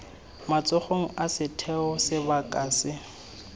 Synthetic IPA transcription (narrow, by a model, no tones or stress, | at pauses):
mat͡sʼʊχoŋ̩asɪtʰɛɔsɪbakʼaːsɪ